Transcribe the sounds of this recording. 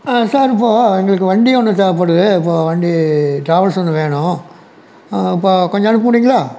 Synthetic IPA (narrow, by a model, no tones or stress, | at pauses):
asaːɾɪpːoːɛŋɡɐɭɯkːɯʋɐɳɖiɔnːɯt̪aːp̬ːɐːɽɯðɯɪpːoːʋɐɳɖiʈɾaːʋɐɭsɔnːɯʋeːɳʊ̃ | ɪpːoːkɔɲd͡ʑɔ̃ɐnɽɯp̬ːɐmɐɽiːŋɡɐɭaː